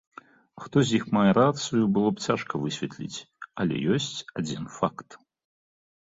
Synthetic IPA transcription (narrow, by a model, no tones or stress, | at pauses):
xt̪ɔzʲjixmajɐɾat̪sɨjubɨlˠɔpt͡sʲaʂkɐvɨsʲvʲɛt̪lʲḭt͡sʲ | ɐlʲɛ̰jɔsʲt͡sʲad͡zʲinfakt̪